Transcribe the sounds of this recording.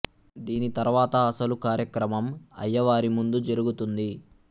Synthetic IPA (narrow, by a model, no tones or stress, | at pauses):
d̪iːnit̪ɐɾʋaːt̪ɐːsɐlukaːɾjɐkɾɐmɐmɐ̰jːɐʋaːɾimund̪ud͡ʒɐɾuɡut̪und̪i